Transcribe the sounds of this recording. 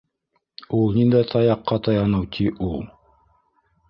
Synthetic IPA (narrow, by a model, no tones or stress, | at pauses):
ulˠnind̪æt̪ʰɑjɑqːɑt̪ɑjɑnɤwt̪ʰiʔulˠ